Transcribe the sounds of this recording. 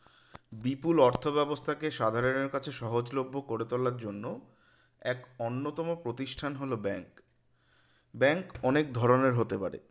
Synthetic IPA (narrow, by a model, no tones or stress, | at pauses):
bipulɔɾt̪ʰobɛbost̪ʰakeʃad̪ʱaɾoneɾkat͡ɕʰeʃɔɦod͡ʑlobʱːokoɾet̪olaɾd͡ʑonːo | ɛkonːot̪ɔmopɾot̪iʃʈʰanɦolobɛŋk | bɛŋkɔnek̚d̪ʱɔɾoneɾɦot̪epaɾḛ